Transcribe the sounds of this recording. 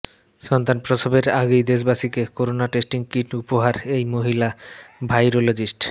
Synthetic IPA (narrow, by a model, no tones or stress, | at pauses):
ʃɔnt̪anpɾotʰobeɾaɡejd̪eʃ̬baʃikekoɾonaʈesʈiŋkiʈupoɦaɾejmoɦilabʱajɾolod͡ʑisʈ